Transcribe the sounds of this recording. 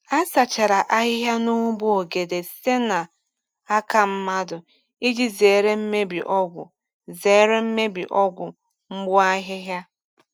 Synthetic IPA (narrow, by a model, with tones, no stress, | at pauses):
a˦sa˨t͡ʃa˨ɾa˨ʔa˦ɦɪ˦ɦja˦nu˦ŋu˦bu˦o˨ɡe˨de˨se˦na˨ | a˦ka˨m̩˦ma˦dʊ˨ | i˦d͡ʒi˦ze˨ɾe˦m̩˦me˦bḭ˨ʔɔ˦ɡʷʊ̰˨ | zeː˨˦ɾe˦m̩˦me˦bḭ˨ʔɔ˦ɡʷʊ˨ | ŋ͡m̩˦ɡ͡bʊ˦a˦ɦɪ˦ɦja˦